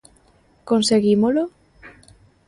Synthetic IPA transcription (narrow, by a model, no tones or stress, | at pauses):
konseɣimolo